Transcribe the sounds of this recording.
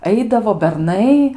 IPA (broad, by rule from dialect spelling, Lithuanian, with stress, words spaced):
ˈɐɪdɐʋoː bʲɛrˈnɐɪ